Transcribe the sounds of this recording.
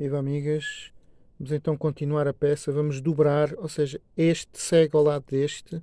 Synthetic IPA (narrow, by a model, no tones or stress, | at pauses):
ivamiɣɐʃ | vɐmuzẽnt̪ɐ̃w̃kõnt̪inwaɾɐpɛsɐvɐmuʒd̪uβɾaɾoseʒɐeʃt̪sɛɣawlˠaðuðeʃt̪ɨ